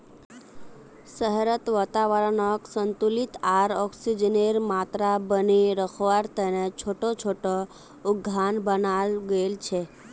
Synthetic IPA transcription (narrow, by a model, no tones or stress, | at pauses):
səɦɾət̪ʋət̪aʋəɾənoksənt̪ulit̪aɾɔksid͡ʒəneɾmat̪ɾabəniɾəkʰoʋaɾt̪ənet͡ʃʰoʈot͡ʃʰoʈo | ʊɡʱːanbənalɡəelt͡ʃʰe